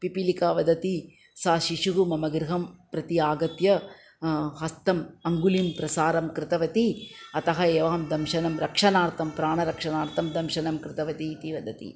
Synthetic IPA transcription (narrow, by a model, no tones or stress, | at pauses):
pipilikaːʋɐd̪ʱɐt̪i | saːʃiʂuɦumɐmɐɡɾɪɦɐmpɾɐt̪iaːɡɐt̪jɐ | ɦɐst̪ɐmɐŋɡulimpɾɐsaːɾɐmkɾɪt̪ɐʋɐt̪iɐt̪ɐɦɐeːʋɐɦɐmd̪ɐmʃɐnɐmɾɐkʂɐnaːɾt̪ʰɐmpɾaːɳɐɾɐkʂɐnaːɾt̪ɐmd̪ɐmʃɐnɐmkɾɪt̪ɐʋɐt̪iːt̪iʋɐd̪ɐt̪ḭ